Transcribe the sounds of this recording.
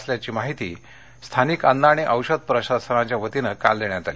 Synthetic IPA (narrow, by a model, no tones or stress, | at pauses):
sljat͡ɕiːmaɦit̪ḭː | st̪ʰanikənd̪aɽ̃iʔəwɕəd̪̚pɾəɕasənat͡ɕjaʋət̪inəkald̪eɳjat̪ali